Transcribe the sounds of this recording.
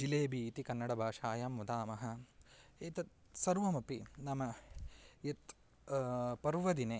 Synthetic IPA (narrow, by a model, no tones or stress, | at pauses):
d͡ʒileːbʱiːt̪ikɐnːɐɽɐbʱaːʂaːjaːmːud̪aːmɐɦɐ̆eːt̪ɐt̪ | sɐɾʋɐmɐpinɐmɐ | et̪ | pɐɾʋɐd̪ineː